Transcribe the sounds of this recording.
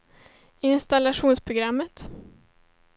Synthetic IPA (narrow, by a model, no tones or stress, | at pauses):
ɪnst̪alaʂuːnspʰɾʊɡɾamːət̪